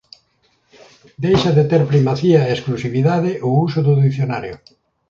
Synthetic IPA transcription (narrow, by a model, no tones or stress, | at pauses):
d̪ejʃaðet̪eɾpɾimaθiaesklusiβiðaðɪʔʊusʊðʊðiθjona̰ɾjo